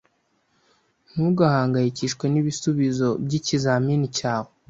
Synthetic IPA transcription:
n̥uɡahaːŋɡajiciʃkwe̞niβisuβizo̞bɟicizaminicaːwe

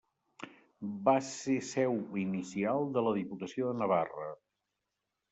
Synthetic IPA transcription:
basesɛwinisialˠd̪ələðiput̪əsioðənəβ̞arə̰

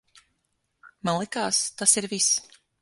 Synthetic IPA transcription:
malˠikaːst̪asiɾvis

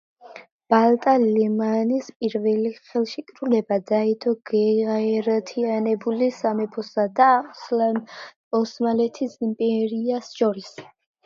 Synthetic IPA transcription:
b̥alˠt̪ʼalɛmanispʼiɾvɛliχɛlˠʃikʼɾulɛbad̪ait̪ʰɔɡɛaɛɾat̪ʰianɛbulisamɛpʰɔsad̪asla | ɔsmalɛt̪ʰisimpʼɛɾiasʃɔɾis

